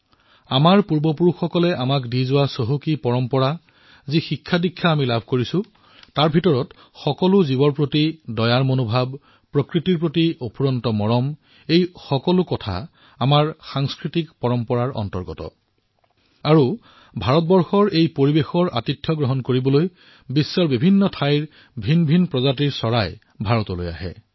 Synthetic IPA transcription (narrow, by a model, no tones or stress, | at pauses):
amaɹpuɹbɔpuɹuxːɔkɔlɛʔamakdizʊwasoɦukipɔɹɔmpɔɹa | zixikʰːadikʰːaːmilabʱkoɹisʊ | taɹbʱitɔɹɔt | xɔkɔlʊzibɔnpɹotidɔjaɹmonobʱab̚ | pɹɔkɹitiɹpɹotiopʰuɹɔntɔmɔɹɔm | ejxɔkɔlʊkɔtʰa̰ | amaɹxaŋskɹitikpɔɹɔmpɔɹaɹʔɔ̰ntɔɹɡɔ̰tɔ̰ | aɹu | bʱaɹɔt̚bɔɹxɔɹejpoɹibexɔɹʔa̰titʰːjɔɡɹɔɦɔnkoɹibɔloj | bisːɔɹbibʱinːɔtʰajɹ | bʱinbʱinpɹɔzatiɹsɔɹaj | bʱaɹɔtɔlo̰ja̰ɦɛ̰